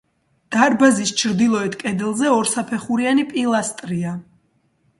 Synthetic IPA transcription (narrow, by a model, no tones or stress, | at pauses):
d̪̥aɾbazist͡ʃʰɾd̪ilˠɔɛt̪ʰkʼɛd̪ɛlˠzɛɔɾsapʰɛχuɾianipʼilˠast̪ʼɾia